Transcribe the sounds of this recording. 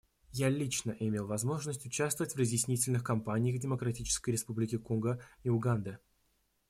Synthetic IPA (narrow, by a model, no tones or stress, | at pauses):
jalʲit͡ɕnəʔɪmʲelˠvɐzmo̞ʐnəsʲtʲʊt͡ɕast̪vəvətʲvrəzʲjɪsʲnʲitʲɪlʲnɨxkɐmpanʲɪjəxvdʲɪməkɾɐtʲit͡ɕɪ̥skəjɾʲɪspublʲɪkʲɪkonɡəiʊɡand̪ə